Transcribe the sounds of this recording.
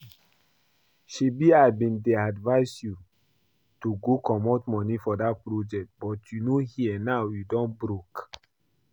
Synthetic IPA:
ʃibiaɪbĩndɛadvaɪsju | tuɡokɔmɔtmɔ̃nifɔdat̚pɹod͡ʒɛk̚t̚bɔtʰjunohiɛnaʊjidɔ̃nbɹok

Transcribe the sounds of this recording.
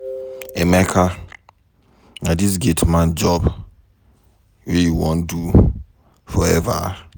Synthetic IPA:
ɛmɛkʰa | nadis̬ɡetʰmãnd͡ʒɔb | wɛjuwɔ̃ndu | fɔɛva̰

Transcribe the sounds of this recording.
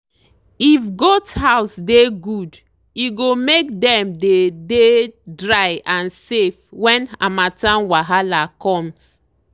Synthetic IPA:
ifɡɔdshawsdeɡud | iɡomekdɛ̃mdededɹajãnsefwɛ̃na̰matãnwaɦalakɔ̃ms

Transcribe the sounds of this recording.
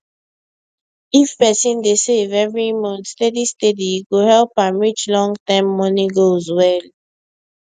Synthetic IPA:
ifpɛsĩndesevɛvɹimɔ̃ntstedistediɡohɛlpãmɹit͡ʃlɔ̃ŋɡtãɪmːɔnĩɡozwɛl

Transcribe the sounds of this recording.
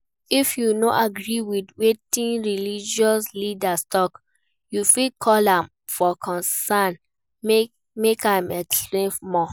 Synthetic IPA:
ifjunoʔaɡɹiwidwetĩnɹilid͡ʒɔslidastɔk | jufikʰɔlãm | fɔkʰɔ̃nsãn | m | mekãɪmɛksplẽnmɔ

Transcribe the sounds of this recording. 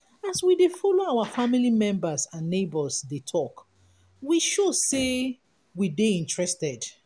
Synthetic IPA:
aswidefɔloaʊafamilimɛ̃mbəsãnːebəsdetʰɔk | wiʃose | wideĩntɹɛstɛd

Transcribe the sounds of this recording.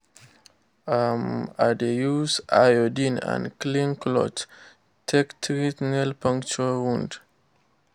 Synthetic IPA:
amadejusa̰jodĩnã̰nklĩnklɔ̰t | tʰɛktʰɹitnɛlpãŋkt͡ʃuawũnd

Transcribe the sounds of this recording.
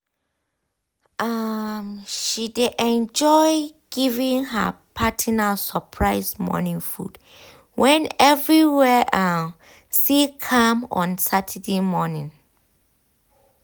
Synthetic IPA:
ʔamʃideʔɛ̃nd͡ʒɔjɪɡ̥ivĩŋɦə̰pʰatʰənalsəpʰɹaɪsmɔ̰nĩŋfṵd̥ | wɛ̃nɛvɹiwɛʔam | sikʰãmɔ̰̃nsatʰədemɔnĩŋ

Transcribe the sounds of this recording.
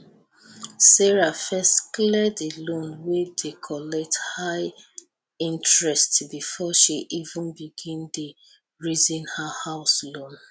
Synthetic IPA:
sɛɹafɛstklɛdelõnwedekʰɔlɛk̚thaɪ | ĩntɹɛstbifɔʃiʔivũnbiɡĩnde | ɹizĩnhahaʊslõn

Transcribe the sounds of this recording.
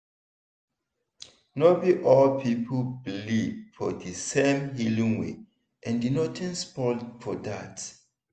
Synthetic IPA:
nobiʔɔlpʰipʰəblifɔdisẽmɦilĩŋwḛ | ʔɛ̃ndinɔtʰɛ̃nspɔlfɔdat

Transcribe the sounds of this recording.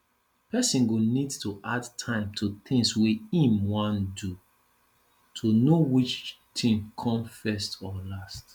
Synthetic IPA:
pʰɛsĩnɡonidtʰuʔadtʰãɪ̃mtʰutɪ̃ŋswiĩmwãndu | tʰunowit͡ʃ | tʰĩŋkʰɔ̃mfɛstɔlast

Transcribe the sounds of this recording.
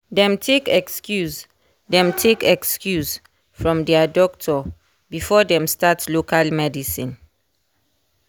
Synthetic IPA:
dɛ̃mtʰekɛkskjus | dɛ̃mtʰekɛkskjus | fɹɔ̃mdɛadɔk̚tʰɔ | bifɔdɛ̃mstatlokalmɛdisĩn

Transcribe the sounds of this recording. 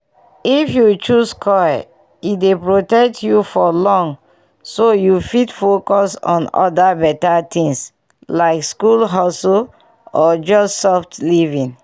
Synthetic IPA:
ifjut͡ʃuskʰɔj | itdepɹotɛk̚tʰjufɔlɔ̃ŋ | sojufitfokɔsɔ̰̃nɔ̰dabɛtatʰĩŋs | laɪkskulɦasɔ | ɔd͡ʒɔssɔftlivĩn

